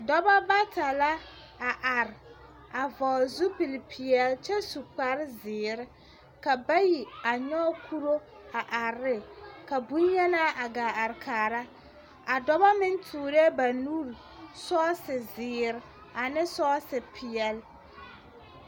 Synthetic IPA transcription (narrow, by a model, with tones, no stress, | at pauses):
dɔ˦ba˦ba˦tʰa˨la˦ | a˨ʔa˨ɾ | a˨vɔː˨zu˦pi˨lpʰɪ˨jɛ˨lt͡ʃɛ˦su˨k͡pa˦ɾzɪː˨ɾɪ˦ | ka˨ba˦ji˨a˨ɲɔ˦kʰu˦ɾo˦ | a˨ʔa˨ɾɪ˦ka˨bu˦ɲɲɛ˦na˦ʔa˨ɡaː˨a˨ɾɪ˨kʰaː˨ɾa˦ | a˨dɔ˦ba˦mɪ˦ntʰuː˨ɾe˦ba˨nu˦ɾ | sɔː˦sɪ˨zɪː˨ɾɪ˦ | a˨nɪ˦sɔː˦sɪ˨pʰɪ˨ɛ˨l